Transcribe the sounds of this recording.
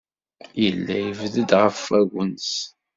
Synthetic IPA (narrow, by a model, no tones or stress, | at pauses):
jəlːæjəvðəd̪ʁəfæɣʷəns